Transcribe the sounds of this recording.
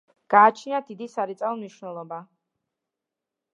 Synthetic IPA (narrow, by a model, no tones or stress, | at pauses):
ɡ̥aːt͡ʃʰniad̪id̪isaɾit̪sʼalmniʃnɛlˠɔba